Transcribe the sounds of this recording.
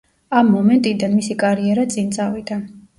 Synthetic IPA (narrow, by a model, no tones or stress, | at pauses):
amːɔmɛnt̪ʼid̪anmisikʼaɾiɛɾat̪sʼint̪sʼavid̪a